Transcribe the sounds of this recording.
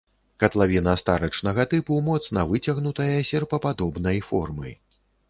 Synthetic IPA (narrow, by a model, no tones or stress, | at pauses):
kɐt̪lˠavʲinɐst̪aɾɐt͡ʂnɐɣɐt̪ɨpumɔt̪snɐvɨt͡sʲɐɣnut̪ɐjɐsʲɛrpɐpad̪ɔbnɐjfɔrmɨ̰j